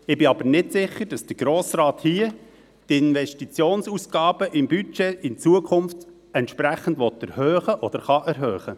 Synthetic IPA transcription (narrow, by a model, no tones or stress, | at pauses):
ɪbɪɑbəɾnɪtsɪχːəɾd̥ɑsd̥əɾɡ̥ɾoːsrɑːthiə | tɪnʋɛʃtit͡sjoːnsusɡ̥ɑːbəʔɪmbyt͡ʃɛɪnt͡suəkʰʊnft | ɛntʃpɾæχəndʋɔtæɾhœːχəʔɔd̥̪əɾχɑʔæɾɦøːχə